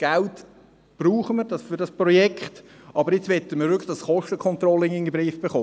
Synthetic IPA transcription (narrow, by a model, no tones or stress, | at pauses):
ɡ̥ælt | b̥ruːχəməɾdɑsfyɾdɑspɾɔjɛkχt | ʔɑbəɾjɪt͡sʋɛtəməɾvʏkʰlə̥d̥ɑsχɔʃtəkʰχɔnt̪ɾɔlɪŋɪŋəbɾiːfb̥eχoː